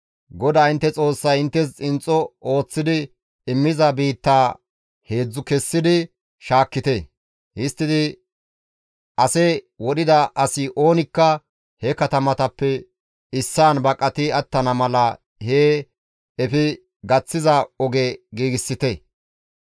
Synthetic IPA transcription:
ɡɔd̪aːɪnt̪ːɛt͡sʼo̞ːsːɐjɪnt̪ːɛs̬t͡sʼɪnt͡sʼːɔo̞ːt͡sːɪd̪ɪ | ɪmːɪzɐbiːt̪ːaː | he̞ːd͡zːʊkɛsːɪd̪ɪ | ʃaːkːɪt̪ɛ | hɪst̪ːɪd̪ɪ | ʔɐsɛ | wɔɗɪd̪ɐʔɐsɪʔo̞ːnɪkːɐ | hɛkɐt̪ɐmɐt̪ɐpːɛ | ɪsːaːnbɐkʼːɐt̪ɪɐt̪ːɐnɐmɐlɐ | heː | ɛfɪ | ɡɐt͡sːɪzɐɔɡeɡiːɡɪsːɪt̪ɛ

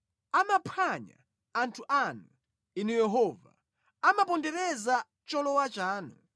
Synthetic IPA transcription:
amapʰaɲa̰ː | ntʰuʔanu | inijɛɦɔva̰ | amapɔndɛɾɛza | t͡ʃɔlɔwat͡ʃaːnu

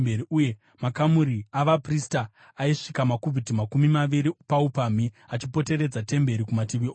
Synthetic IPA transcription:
beɾiuje | makamuɾiaʋapristaː | iʂikamakuvitimakumimaʋiɾipaupami | at͡ʃipo̞te̞ɾe̞d͡zate̞mbe̞ɾikumatiʋioː

